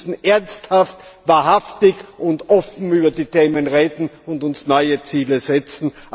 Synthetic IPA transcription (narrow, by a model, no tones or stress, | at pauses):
sn̩ʔɛɐnsthaftv̥aɐhaftɪçʔʊntʔɔfn̩yːbɐdiːteːmənʁeːdn̩ʊndʊnsnɔʏət͡siːləzɛt͡sn̩ʔ